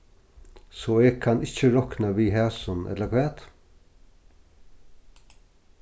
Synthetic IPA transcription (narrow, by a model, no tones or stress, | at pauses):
sɔːeːɡkʰːanɪht͡ʃəɾɔknaʋiːɦæːsʊnɛ̰t̪lakʰvɛːt̪